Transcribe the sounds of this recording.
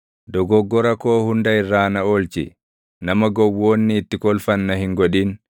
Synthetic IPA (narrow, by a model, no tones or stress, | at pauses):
d̪ɔɡɔɡːɔɾɐkoːhʊnd̪ɐɪrːaːnɐoːlt͡ʃɪ̰ | nɐmɐɡɔwːo̞ːnːɪːt̪ːɪkɔlfɐnːɐhɪŋɡɔᶑiːn